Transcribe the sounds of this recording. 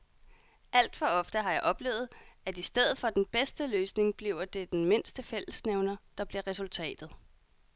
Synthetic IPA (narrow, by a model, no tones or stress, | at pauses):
æl̰d̥fɒ̽ɒ̽fd̥əɦɑ̈jɑ̈ɪʔɒ̽b̥le̝̰ːʊð̞̩ˠæd̥isd̥eð̞̰ˠð̩ˠfɒ̽d̥enb̥esd̥əløːsne̝ŋb̥liʊɐd̥e̝d̥enme̝n̰sd̥əfel̰əsneʊnɐd̥ɑ̈b̥liɐʁɛsult͡sʰɛ̰ːd̥ð̩ˠ